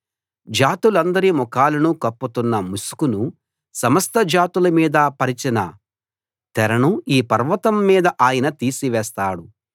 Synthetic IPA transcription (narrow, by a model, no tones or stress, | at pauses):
d͡ʒaːt̪ulɐnd̪ɐɾimɔkaːlɐnukɐpːut̪unːɐmusu̥kunu | sɐmɐst̪ɐd͡ʒaːt̪ulɐmiːd̪ɐpɐɾit͡ʃinɐ̰ | t̪ɛɾɐnuiːpɐɾʋɐt̪ɐmːiːd̪ɐʔaːjɐnɐt̪iːsiʋɛːst̪aːɽu